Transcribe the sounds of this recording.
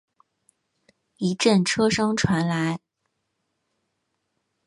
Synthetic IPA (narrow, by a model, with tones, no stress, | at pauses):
i˧˥ʈ͡ʂə˥˩nʈ͡ʂʰɤ˥ʂɤ˥ŋʈ͡ʂʰwa˧˥nla˧˥ɪ